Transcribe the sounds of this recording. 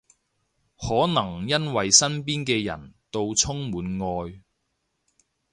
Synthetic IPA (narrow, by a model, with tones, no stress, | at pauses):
hɔː˨˥nɐ˨˩ŋjɐ˥nwɐ˨jsɐ˥npiː˥nkɛː˧jɐ̰˨˩nt̪o˧wt͡sʰʊ˥ŋmuː˨˥nŋɔː˧j